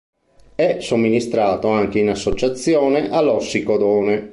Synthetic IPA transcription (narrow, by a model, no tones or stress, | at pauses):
ɛsomːinist̪ɾaːt̪oaŋk̟einasːot͡ʃat̪sːjɔːneʔalːɔsːikod̪ɔːne